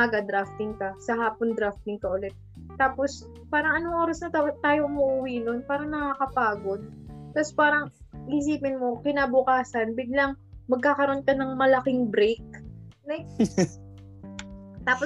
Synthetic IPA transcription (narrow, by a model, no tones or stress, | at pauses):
aɡɐd̪ɾaft̪ɪŋkɐsɐɦaːpond̪ɾaft̪ɪŋkɐʔʊlɛt̪̚ː | aːpos | paːɾɐŋʔɐnoŋʔoːɾɐsnɐat̪aːjoʔʊmʊʔʊwino̞npaːɾɐŋnɐkaːkɐpaːɡo̞d̪̚t̪ɐspaːɾɐŋ | ɪʔɪs̬iːpɪnmo̞kɪnaːbʊkaːsɐnbɪɡ̚lɐŋmɐɡ̚kaːkɐɾonkɐnɐŋmɐlɐkɪŋbɾejk̚lɐj | t̪aːpo